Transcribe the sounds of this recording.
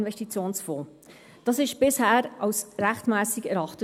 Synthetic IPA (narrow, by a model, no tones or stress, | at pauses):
nvɛstit͡sjoːnsfoː | d̥ɑːsɪʃb̥ɪshæːɾɑwsɾæχtmæːsiɡɛɾɑχtə